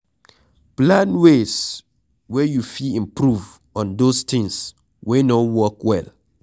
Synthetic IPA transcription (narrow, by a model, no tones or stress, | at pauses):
plãnwes | wɛjufiĩmpɾuv | ɔ̃ndost̪ɪ̃ŋs | wenɔwɔkwɛl